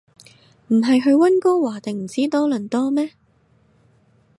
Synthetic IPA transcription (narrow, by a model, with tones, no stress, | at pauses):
m̩˨˩ɦɐ˨jɦɵ˧ɥwɐ˥nkɔː˥waː˨˩t̪e˨˩ŋm̩˨˩siː˨˥t̪ɔː˥lɵ˨˩nt̪ɔː˥mɛː˥